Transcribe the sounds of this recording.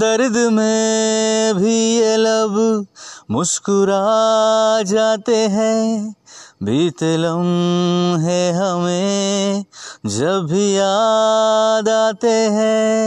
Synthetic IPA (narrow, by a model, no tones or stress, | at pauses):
d̪ɐɾd̪mẽ | bʱijelɐb | mʊskʊɾa | d͡ʒaːt̪eɦɛ̃ | biːt̪ləm | ɦɛɦɐmẽ | d͡ʒɐbbʱijaː | d̪aːt̪eɦɛ̃ː